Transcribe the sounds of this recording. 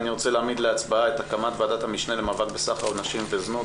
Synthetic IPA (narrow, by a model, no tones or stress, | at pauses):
niʁo̞t͡se̞leaːmid̪leat͡sbaaet̪hakamat̪vead̪at̪hamiʃnele̞mavakbesaχaonaʃimveznu